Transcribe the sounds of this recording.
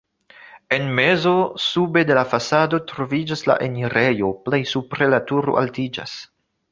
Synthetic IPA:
e̞nme̞zo̞sube̞de̞lafasado̞tɾo̞vid͡ʒasla̰ʔe̞niɾe̞jo̞ple̞jsupɾe̞latuɾoʔa̰ltid͡ʒa̰s

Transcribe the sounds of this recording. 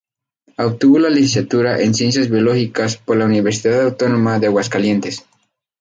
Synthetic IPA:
ak̚t̪uβolalesisat̪uɾaʔensjens̬jazβjoloxikaspoɾlauniβeɾsiðaðawt̪onomaðeaɣwaskalje̞nt̪es

